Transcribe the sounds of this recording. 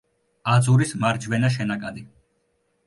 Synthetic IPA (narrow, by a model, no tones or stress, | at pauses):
ad̪zuɾismaɾd͡ʒvɛnaʃ̬ɛnakʼad̪i